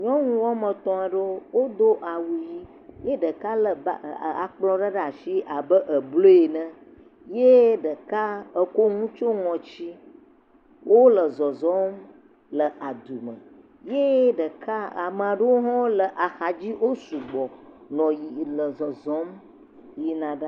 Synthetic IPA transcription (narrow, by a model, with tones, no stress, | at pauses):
ɲɔ̃˦ŋũ˦wɔ˦mə̃˨t̪ɔ̃˨a˨ɖə˦wo˦d̪o˦ʔa˨wu˨ji˦ | je˦ɖə˨ka˦lə˨b̰a̰˨k͡plɔ̃˦ɖə˦ɖa˨fi˦ʔa˨bə˦ʔə˨blo˦e˨nə̃˦ | je˦ɖə˨ka˦ə˨ko˦ŋũ˦t͡ʃo˦ŋɔ̃˨t͡ɕi˦ | wʔo˦lə˨zɔ˨zɔ˦m | lə˨ʔa˨d̪u˨mə̰̃˨ | je˦ɖə˨ka˦a˨mə˨a˨ɖə˦wo˦ɦɔ̃˦lə˨ʔa˨xa˨d͡ʑi˦wo˦su˨ɡ͡bɔ˨ | nɔ̃˨ji˨lə˨zɔ˨zɔ̃˦m | ji˦nã˨ɖa˦